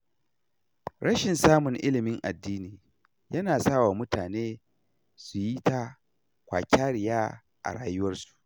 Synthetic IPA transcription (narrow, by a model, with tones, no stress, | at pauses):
ɽɐ˦ʃɪ˨nsaː˦mʊ˨ŋʔɪ˦lɪ˨mɪ˦ŋʔa̰˨dːiː˦niː˨ | jɐ˦naː˨saː˦waː˨mʊ˦taː˨neː˦ | su˨ji˦ta˦ | kʷa̰ː˨kʲaː˦ɽɪ˨jaː˦ | ʔa̰˨ɽaː˦jʊ˦wɐ˦rsu̥˨ʔ